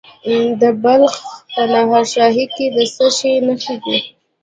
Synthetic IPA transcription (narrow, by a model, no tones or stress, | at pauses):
d̪əbalxpənaɦɑɾʃɑɦiked̪əsəʃenaxiɡi